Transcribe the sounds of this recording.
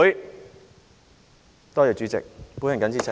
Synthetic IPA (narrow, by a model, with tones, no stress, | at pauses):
j | t̪ɔː˥jœː˨t͡ɕy˨˦˥t͡sɪ̰˨k̚pu˨˥hɪ˨˩ŋkɐ˨˥nt͡sʰiː˨˥t͡sʰɐ˨